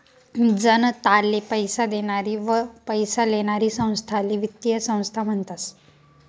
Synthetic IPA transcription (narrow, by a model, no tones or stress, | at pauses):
d͡zənt̪alːepəjsad̪eɽ̃aɾiːʋəpəjsaleɽ̃aɾiːsə̃w̃st̪ʰaliʋit̪ːijəsə̃w̃st̪ʰam̤əɳt̪as